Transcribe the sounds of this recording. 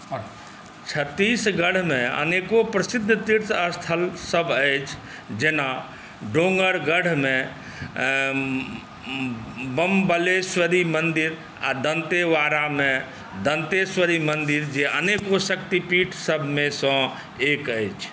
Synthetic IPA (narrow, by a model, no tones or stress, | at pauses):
t͡ʃʰət̪ːisɡəɽ̤mẽə̰nekopɾəsɪd̪ʱːt̪iɾt̪əst̪ʰəlsəbʱət͡ʃʰ | d͡ʒena | ɖõŋɡəɾɡəɽ̤mẽ | bəmbəleswəɾimənd̪iɾ | a̰d̪ənt̪eʋaɾamẽ | d̪ənt̪eswəɾimənd̪iɾd͡ʒeʔəneːkosəkt̪ipiːʈʰsəbʱmẽsɔ̃ | ekəjt͡ʃʰ